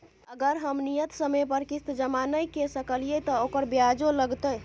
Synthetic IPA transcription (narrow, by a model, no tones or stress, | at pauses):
əɡəɾɦəmnijət̪səmepəɾkist̪d͡ʒəmanəjkesəkəlijɛt̪ɔokəɾbjad͡ʒoləɡt̪əj